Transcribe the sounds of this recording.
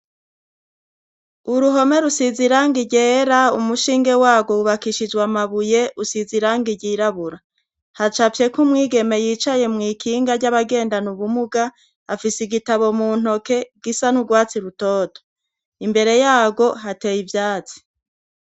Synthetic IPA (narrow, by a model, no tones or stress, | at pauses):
uɾuɦo̞me̞ɾusiziɾaːŋɡiɟeːɾaumuʃiːŋɡe̞waːɡo̞uβakiʃid͡ʒɡwamaβuje̞ʔusiziɾaːŋɡiɟiɾaβuɾa | hat͡ʃafje̞kumŋiːɡe̞me̞jiːt͡ʃaje̞mŋiːkʰiːŋɡaɾɟaβaɡe̞ːndanuβumuɡaː | fisiɡitaβo̞muːn̥ho̞ke̞ɡ̥isanuɡwaːt͡siɾutoːto̥ | imbe̞ɾe̞jaːɡo̞ɦate̞jivjaːt͡si̥